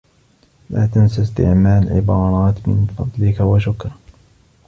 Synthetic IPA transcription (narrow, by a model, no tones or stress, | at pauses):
laːt̪ansast̪ɪ̰ʕmaːlʕɪ̰bɑːɾˤɑːt̪mɪ̰nfɑd̪ˤlɪkawaʃʊkɾ